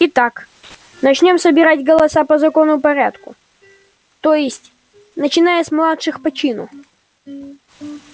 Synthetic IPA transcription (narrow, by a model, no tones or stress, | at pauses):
ɪt̪ak | nɐt͡ɕnʲo̞msəbʲɪɾatʲɡəlˠɐsapəzɐko̞nʊpɐɾʲat̪kʊ̰ | t̪ojɪsʲtʲ | nət͡ɕɪnajəsmlˠat̪ʂɨxpɐt͡ɕinʊ